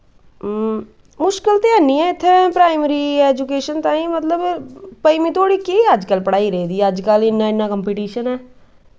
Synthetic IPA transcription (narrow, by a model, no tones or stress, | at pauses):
mʊʃkɪlt̪ɪaːniːɛːɪt̪ʰːepɾaːɪmɾiːɛːd͡ʒukeːʃənt̪ãːĩːmət̪ləbpəiːmĩːt̪ʰoːɽiːkeəd͡ʒkəlpəɽaːiɾəiːd̪iːəd͡ʒkəlɪnːãːɪnːaːkəmpiːʈiːʃənɛː